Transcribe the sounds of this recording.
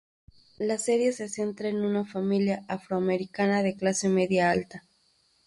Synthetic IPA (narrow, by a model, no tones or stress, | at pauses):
lase̞ɾje̞sese̞nt̪ɾaenunafamiljaʔafɾoameɾikanaðe̞klase̞me̞ðjaalt̪a